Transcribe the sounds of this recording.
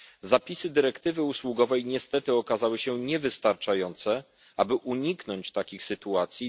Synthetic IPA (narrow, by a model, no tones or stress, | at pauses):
zapʲisɘd̪ɘɾɛkt̪ɘvɘuswuɡɔvɛjɲɛst̪ɛt̪ɘɔkazawɘɕɛɲɛvɘst̪aɾt͡ʂajɔnt̪sɛ | ʔabɘʔuɲiknɔɲt͡ɕt̪akʲixsɘt̪uat̪sʲji